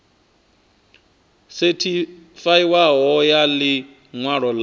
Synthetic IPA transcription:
setʰifaiwaɦɔjali | ŋwaɺɔl

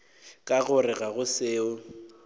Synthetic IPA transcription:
kʼaɣʊrɪɣaɣʊsɪːʊ

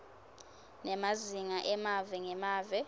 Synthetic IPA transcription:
nɛmaziŋaʔɛmavɛŋɛmaːvɛ

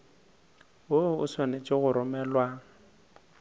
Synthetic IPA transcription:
woʊswanet͡ʃʼɪɣʊɾʊmɛːlwa

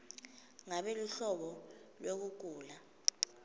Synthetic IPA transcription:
ŋaɓeluɬɔɓɔlwek̬uk̬uːla

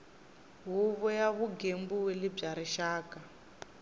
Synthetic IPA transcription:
ɦuβɔjaβuɡembuwelib͡ʐaɾiʃaːka

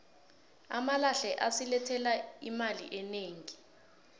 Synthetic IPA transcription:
amalaɬɛʔasilɛtʰɛlaimalḭʔɛneːŋi

